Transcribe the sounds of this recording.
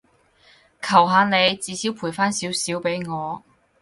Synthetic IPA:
kʰɐ˨˩wɦaː˨˧ne˨˧jt͡siː˨˧siː˨˥wpʰuː˨˩jfaː˥nsiː˨˥wsiː˨˥wpe˨˥jŋɔː˨˧

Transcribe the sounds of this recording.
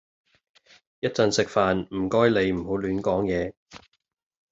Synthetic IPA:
jɐ˥t̚t͡sɐ˨˧nsɪ˨k̚faː˨nm̩˨˩kɔː˥jle˨˧jm̩˨˩ɦo˨˥wlyː˨˥nkɔː˨˥ŋjɛː˨˧

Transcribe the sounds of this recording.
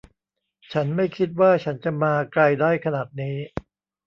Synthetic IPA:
t͡ɕʰa˦˥nma˥˩jkʰi˦˥t̪̚waː˥˩t͡ɕʰa˦˥nt͡ɕa˨˩maː˧kla˧jdaː˥˩jkʰa˧naː˨˩t̪̚niː˦˥

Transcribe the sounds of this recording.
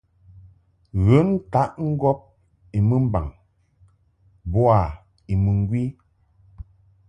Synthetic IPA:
ɣə˨˦n˦ta˨˦ʔŋ̩˦ɡɔ˦p̚ | i˨mə˦m̩˦ba̰˨ŋ | bwa˨ | i˨mə˨ŋ˦ɡwi˦

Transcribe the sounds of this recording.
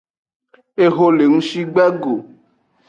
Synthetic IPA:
e˦ɦo˦le˨ŋũ˦ʃi˦ɡ͡bɛ˦ɡo˨

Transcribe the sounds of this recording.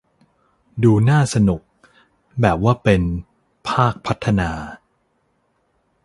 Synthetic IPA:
duː˧naː˥˩sa˧nu˨˩k̚ | bɛː˨˩p̚waː˥˩pe˧n | pʰaː˥˩k̚pʰa˦˥t̪ʰːa˧naː˧

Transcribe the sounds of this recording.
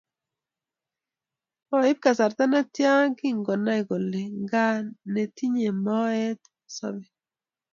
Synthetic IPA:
ɔ˨ɪ˦b̚ka˨sa˨ɾt̪a˦na˦tja˦ki˦ŋɡɔ˨na˦i˨ɡo˨le˨ŋɡa˦ne˨ti˦ɲe˨mɔ˦ɛ˦t̪ | sɔ̰˦bɛ˨

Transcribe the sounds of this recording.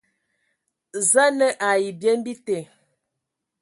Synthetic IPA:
za˦nə˦ʔa˨ji˨bje˦m˦bi˦te˨

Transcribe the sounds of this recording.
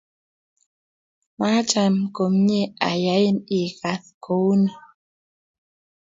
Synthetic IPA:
ma˦t͡ʃa˨mko˨m˦ɲe˦a̰˨ja˨˦ji˦ni˨ka˨θkʰo˨˦wnɔ˨

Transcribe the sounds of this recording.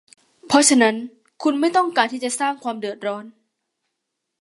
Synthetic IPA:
pʰɔ˦˥t͡ɕʰa˧na˦˥n | kʰu˧nma˥˩jt̪ɔ˥˩ŋkaː˧nt̪ʰiː˥˩t͡ɕa˨˩saː˥˩ŋkʰwaː˧mdɯ˨˩ət̪̚ɾɔː˦˥n

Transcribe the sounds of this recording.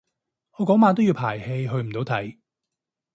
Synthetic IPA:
ʔɔː˨˧kɔː˨˥ŋmaː˨˧t̪̬wji˧wpʰaː˨˩jhe˧jɦɵ˧ɥm̩˨˩t̪o˨˧wt̪ʰɐ˨˩j

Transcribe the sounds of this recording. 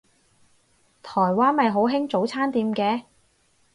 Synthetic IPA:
t̪ʰɔː˨˩jwaː˥nmɐ˨jɦo˨˥wɦɪ˥ŋt͡so˨˥wt͡sʰaː˥nt̪iː˧mkɛː˨˧

